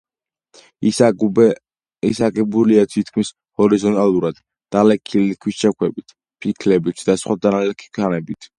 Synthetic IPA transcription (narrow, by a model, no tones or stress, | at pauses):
isaɡɛbuliat̪ʰit̪̚ʰkʰmis | hɔɾizɔnt̪ʼalˠuɾad̪̥ː | alɛkʰilikʰwist͡ʃʰakʰwɛbit̪ʰ | pʰikʰlɛbit̪ʰd̪̥asχwad̪analɛkʰi̥kʰanɛbit̪ʰ